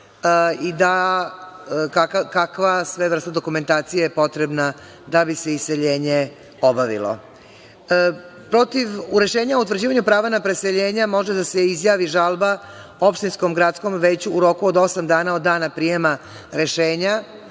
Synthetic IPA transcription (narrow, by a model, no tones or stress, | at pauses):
id̪a | kakakakʋasʋeʋr̩st̪ad̪o̞kume̞nt̪aːt̪sijejepo̞t̪ɾebna | d̪abiseise̞ʎe̞ːɲe | o̞baʋḭlˠo̰ | pɾo̞t̪iʋuɾe̞ʃe̞ːɲaout̪ʋvɾ̩d͡ʑiːʋaɲupɾaːʋanapɾe̞se̞ʎe̞ːɲamo̞ʒed̪aseizjaːʋiʒalˠba | o̞pʃt̪insko̞mɡɾat̪sko̞mʋe̞ːt͡ɕuuɾo̞kuod̪o̞samd̪aːnao̞d̪ːaːnapɾije̞ma | ɾe̞ʃeːɲa